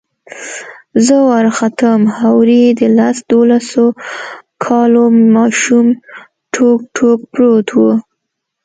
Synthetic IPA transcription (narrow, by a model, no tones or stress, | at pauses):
zəwaɾxat̪əmhawɾid̪əlasd̪olasokʰɑlomɑʃum | ʈʰokʈʰok̚pɾot̪ʰwu